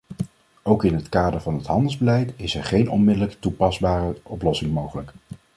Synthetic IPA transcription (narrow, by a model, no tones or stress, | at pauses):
owkɪnɦətkaːdəɹvɑnɦətɦɑndəlˠzbəlɛjtɪsɛɹχejnɔ̰nmɪdələktupɑzbaːrəʔɔplɔsɪŋmowχələk